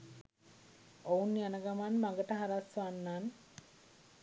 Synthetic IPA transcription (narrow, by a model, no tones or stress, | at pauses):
ounːianəɡamanmaŋɡəʈəɦaɾasʋanːan